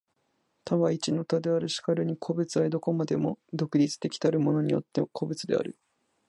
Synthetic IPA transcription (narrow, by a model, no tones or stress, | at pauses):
t̪ʰaβait͡ɕino̞t̪ad̪eaɾɯ̟ɕi̥kaɾɯ̟ɲ̟ikʰo̞bɯ̟t͡sɨaed̪o̞ko̞mad̪e̞mo̞d̪o̞kɯ̟ɾʲit͡sɨ̥t̪ekʲi̥t̪aɾɯ̟mo̞no̞ɲ̟ijo̞̰t̪ːe̞kʰo̞bɯ̟t͡sɨd̪e̞̰a̰ɾɯ̟